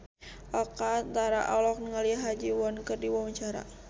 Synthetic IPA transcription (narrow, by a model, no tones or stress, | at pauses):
ʔɔkant̪aɾa̰ʔɔlɔk̚nəŋaliaɦad͡ʒiwɔnkərdiwaməɲt͡ʃaɾa̰